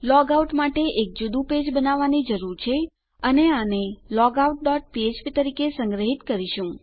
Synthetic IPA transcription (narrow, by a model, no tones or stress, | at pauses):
lɔɡauʈmaʈeʔek̚d͡ʒud̪ũped͡ʒbənaʋːanid͡ʒəɾuɾt͡ʃʰe | əneanelɔɡauʈ̚ɖɔʈ̚piet͡ʃpit̪əɾikesə̃ŋɡɾəɦit̪kəɾiʃũ